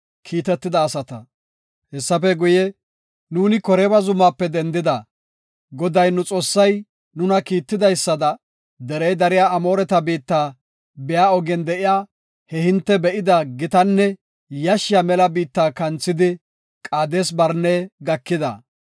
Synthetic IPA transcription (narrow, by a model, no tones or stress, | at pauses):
kʰiːt̪ɛt̪ːɪd̪ɐːsɐt̪ɐ | hɛsːɐfɛɡʊjɛ | nuːnɪkɔɾeːbɐzʊmːaːpːɛd̪ɛnd̪ɪd̪ɐ | ɡɔd̪ɐjnʊt͡sʼo̞ːsːɐj | nʊnɐkiːt̪ːɪd̪ɐjsːɐd̪ɐ | d̪ɛɾɛjd̪ɐɾɪjaːɐmo̞ːɾɛt̪ɐbiːt̪ːaː | bɛjaːɔɡɛnd̪ɛʔɪjaː | hɛhɪnt̪ːɛbɛʔɪd̪ɐɡɪt̪ɐnːɛ | jɐʃɪjamɛlɐbiːt̪ːaːkɐnt͡sːɪd̪ɪ | kʼaːd̪eːsbɐɾneːɡɐkːɪd̪ɐ̰